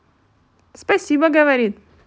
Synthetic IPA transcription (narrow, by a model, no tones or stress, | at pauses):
spɐsʲibəɡəvɐɾʲit̪